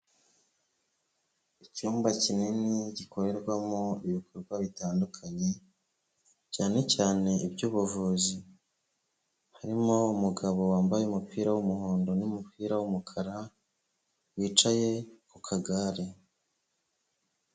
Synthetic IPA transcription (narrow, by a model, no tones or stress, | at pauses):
icuːmbacininiɟikʰo̞ɾe̞ɾɡwamoiβikʰoɾɡwaβitaːndukʰaɲe̞ | caːne̞caːne̞ibɟuːβuvuzi | haɾimo̞umuɡaβo̞waːmbajeumupiːɾawumuhoːndo̞numupiːɾawumukʰaɾa | wiːt͡ʃaje̞kukʰaɡaɾe